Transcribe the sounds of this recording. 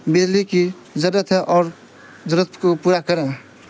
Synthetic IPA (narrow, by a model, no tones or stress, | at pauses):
bed̪liki | d͡ʒəɾət̪ʰɦɛʔɔːɾ | d͡ʒəɾət̪ʰkopuɾakəɾẽ